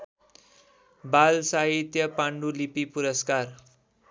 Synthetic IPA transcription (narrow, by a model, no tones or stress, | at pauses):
balsaɦit̪jʌpaɳɖulipipuɾʌskar